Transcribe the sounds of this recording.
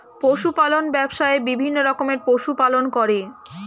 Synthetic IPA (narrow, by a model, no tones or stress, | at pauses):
poʃupalonbɛbʃaebibʱinːoɾɔkomeɾpoʃupalonkɔɾe